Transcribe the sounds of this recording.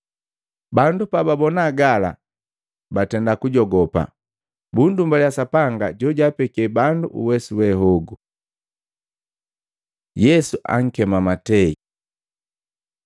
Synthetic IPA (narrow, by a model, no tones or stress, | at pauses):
bandupababɔnaːɡala̰ | batɛndakuɟɔɡɔpa̰ | bundumbaljasapaŋɡaɟɔɟaːpɛkiɛbanduʔṵwɛsuwɛɦɔɡu | jɛsuʔa̰ŋ̩kɛmamatɛḭ